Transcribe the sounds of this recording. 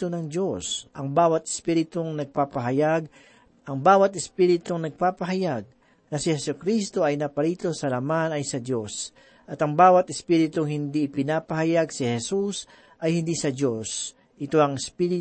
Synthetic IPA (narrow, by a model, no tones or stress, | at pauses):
onɐŋd͡ʒo̞sʔɐŋbaːwɐt̪ɪ̥spiɾɪt̪oŋnɐɡ̚papɐɦɐjaɡ̚ | ʔɐŋbaːwɐt̪ɪspiːɾɪt̪oŋnɐɡ̚paːpɐɦɐjaɡ̚ | nɐsɪhɛsʊkɾist̪o̞ʔɐjnɐpɐɾiːt̪o̞sɐlɐmanɐjsɐd̪os | ʔɐt̪ɐŋbaːwɐt̪ɪspiːɾɪt̪ʊŋhɪnd̪iɪpɪnaːpɐhɐjaɡsɪhɛsus | ʔɐjhɪnd̪isɐdo̞s | ʔɪt̪o̞ʔɐŋɪspiɾɪ